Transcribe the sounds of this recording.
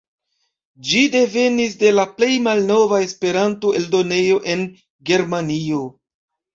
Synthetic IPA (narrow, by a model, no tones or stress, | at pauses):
d͡ʒide̞ve̞nis̬de̞laple̞jmalno̞vae̞spe̞ɾanto̞e̞ldo̞ne̞jo̞ʔe̞n | ɡe̞ɾmanio̞